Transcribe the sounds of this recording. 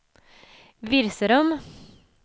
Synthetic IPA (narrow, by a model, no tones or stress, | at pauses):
ʋɪɾsəɾɔm